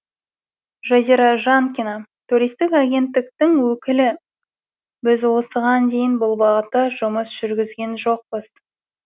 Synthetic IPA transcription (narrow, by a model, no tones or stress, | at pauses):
ʒaziɾɑʒaŋkʲinɑt̪ʰuɾijst̪ɪkaɡʲe̞nt̪ːɪk̚t̪ɪŋwɵkʲɪlɪ | bɪzwo̞səʁɑnd̪e̞jɪnbʊlˠbɑʁət̪ːəʒʊməsʒ̥ʏɾɡʲɪzɡʲe̞nʒoq̚bəz̥